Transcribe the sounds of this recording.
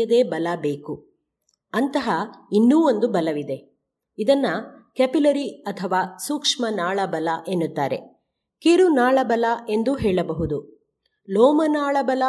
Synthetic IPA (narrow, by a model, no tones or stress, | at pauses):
ɐd̪e̞ːbɐlɐbe̞ːku | ɐnt̪ɐɦɐinːuːond̪ubɐlɐʋid̪e̞ | id̪ɐnːɐkepilɐɾiɐt̪ʰɐʋaːsuːkʂmɐnaːɭɐbɐlɐʔenːut̪ːaːɾe̞̰ | keɾunaːɭɐbɐlɐe̞nd̪uɦeːɭɐbɐɦud̪u | lɔːmɐnaːɭɐbɐlɐ